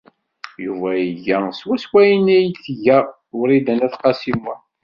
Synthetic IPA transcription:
juvæjiʝæswæswæjinæjt͡sːəʝæ | ʊɾid̪ænæθqɑsimwæ

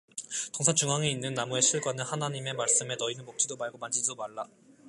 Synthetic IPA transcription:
toŋsʰat͡ɕuŋɦaŋeinːɯnːamue̞ɕʰiɭɡwanɯnhanaɲime̞maɭs͈ɯme̞nʌinɯnmok̚t͡ɕ͈ʰidomaɭɡomand͡ʑiddomaɭːa

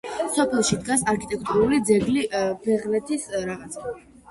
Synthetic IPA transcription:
sɔpʰɛlˠʃid̪ɡasaɾkʰit̪ʼɛk̚ʼt̪ʼuɾulid̪zɛɡlibɛʁnɛt̪ʰisɾaʁat̪sʰ

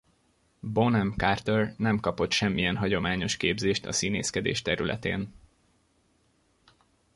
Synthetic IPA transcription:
bonɛmkart̪ørnɛmkɒpot̪ʃɛmːijɛnɦɒɟo̞maːɲo̞ʃkeːbzeːʃt̪ɒ̰siːneːskɛd̪ḛːʃt̪ɛɾylɛ̰t̪ḛːn

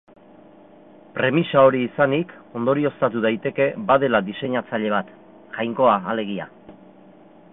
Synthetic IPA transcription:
pɾe̞misao̞ɾiːsaniko̞nd̪o̞ɾio̞st̪at̪uðajt̪e̞ke̞bað̞e̞laðise̞ɲat͡saʎe̞β̞at̪ | ʝajŋko̞aːle̞ɣ̞ia̰

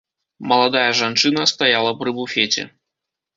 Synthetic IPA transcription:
mɐlˠad̪ajɐʐant͡ʂɨnɐst̪ajalˠɐpɾɨbufʲet͡sʲɛ̰

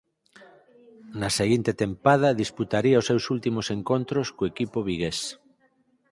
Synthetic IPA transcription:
nɐseɣint̪et̪empað̞ɐðisput̪aɾiaosewsult̪imoseŋkont̪ɾoskoekipoβiɣes

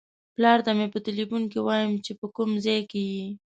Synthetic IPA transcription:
plɑɾt̪amepət̪ɪlifunkiwɑjəmt͡ʃepəkumzɑjkeji

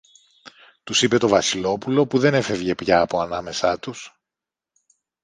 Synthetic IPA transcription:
t̪usipe̞t̪o̞vɐsilo̞pulo̞puðe̞ne̞fe̞vʝe̞pʝɐːpo̞ɐnɐme̞sɐt̪us

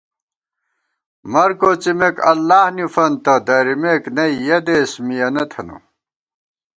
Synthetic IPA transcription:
mɐɾkoːt͡simekɐ̰lːaːhnufɐnt̪ɐd̪ɐɾimeknɐijɐd̪eːsmijɐnɐt̪ʰɐnṵ

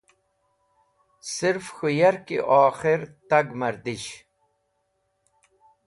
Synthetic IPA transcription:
siɾfxujɐɾkḭʔaːxiɾt̪ɐɡmɐɾd̪iɕ

